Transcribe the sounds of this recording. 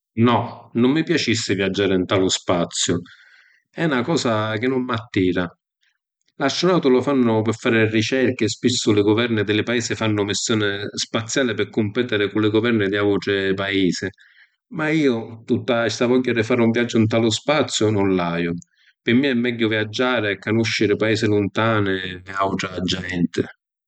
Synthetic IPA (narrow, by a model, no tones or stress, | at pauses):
nɔnʊmːɪpjat͡ʃisːɪvjad͡ʒːaːɾɪnt̪aːlʊspat̪sːjʊ | ɛnakɔːsak̟ɪnːʊmːat̪ːiːɾa | laʃːʊnawt̪ʊlʊfanːʊpɪfːaːɾɪrit͡ʃɛɾkɪspisːʊlɪɡʊvɛrnɪd̪ɪlɪpaiːsɪfanːʊmɪsːjɔːnɪspat̪sːjaːlɪpɪɾkːʊmpɛt̪ɪɾɪkʊlɪɡʊvɛrnɪd̪iawʈ̪ɾɪpaiːsɪ | maiːʊt̪ut̪ːaɛst̪avɔʎːaɾɪfaːɾuɱvjad͡ʒːʊunt̪̬alʊspat̪sːjʊnʊnlaːjʊ | pɪmːɪɛmːɛɟːʊvjad͡ʒːaːɾɪakːanuʃːɪɾɪpaiːsɪlʊnt̪aːnɪɪawʈ̪ɾad͡ʒːɛnt̪ɪ